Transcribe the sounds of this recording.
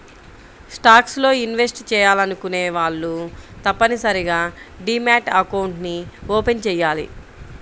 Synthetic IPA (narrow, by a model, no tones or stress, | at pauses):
sʈaːkslo̞ːinʋe̞sʈt͡ʃɛːjaːlɐnukune̞ːʋaːɭːut̪ɐpːɐnisɐɾiɡaːɖiːmaːʈɐkɐwɳʈnioːpe̞nt͡ʃɛːjːaːlḭ